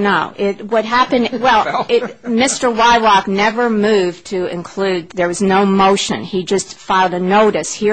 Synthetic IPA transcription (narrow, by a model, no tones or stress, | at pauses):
noʊʔɪt̚wʌd̚ɦæpɨ̃nwɛlˠɪmɪstə˞waɪɹɑknɛvə˞mʉv̥tʰɨɪ̰̃nkʰl̥ʉd̪̚ðə˞wʌznoʊmoʊʃɨ̰̃nid͡ʒʌstfaɪlˠdɨnoʊɾɨshi